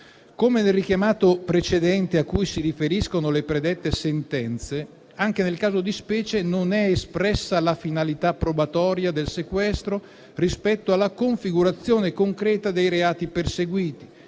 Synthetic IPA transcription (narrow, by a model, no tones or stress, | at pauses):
komenelrik̟jamaːt̪opɾet͡ʃed̪ɛnt̪eakːujsiɾifeɾiskonolepɾed̪ɛt̪ːesent̪ɛnt̪se | aŋkenelkaːzod̪ispɛːt͡ʃenonɛespɾɛsːalafinalit̪apːɾobat̪ɔːɾjad̪elsekwɛst̪ɾo | rispɛt̪ːoalːakoɱfiɡuɾat̪sːjoːnekoŋkɾɛːt̪ad̪ejɾeaːt̪iperseɡwiːt̪i̥